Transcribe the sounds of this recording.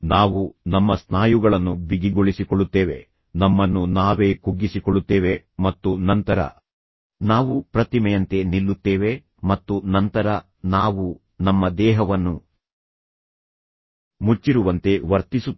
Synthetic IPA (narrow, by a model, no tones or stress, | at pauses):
naːʋunɐmːɐsnaːjuɡɐɭɐnːubiɡiɡoɭisikɔɭːut̪ːeːʋe̞̰ | nɐmːɐnːunaːʋeːkuɡːisikɔɭːut̪ːeːʋe̞ | mɐt̪ːunɐnt̪ɐɾɐ̰ | naːʋupɾɐt̪imɛjɐnt̪e̞nilːut̪ːeːʋe̞ | mɐt̪ːunɐnt̪ɐɾɐ | naːʋu | nɐmːɐd̪ɛːɦɐʋɐnːu | mut͡ʃːiɾuʋɐnt̪e̞ʋɐɾt̪isu